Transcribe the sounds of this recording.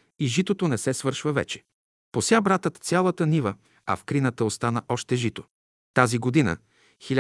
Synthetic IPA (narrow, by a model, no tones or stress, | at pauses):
iʒit̪ot̪onɛsɛsvɤɾʃvəvɛ̰t͡ʃɛ̥ | posʲjabɾat̪ət̪t̪sʲjalˠət̪ənivə | ɐ̰fkɾinət̪əost̪anəʔɔʃt̪ɛʒit̪o̥ | t̪aziɡod̪inə̰ | xilʲ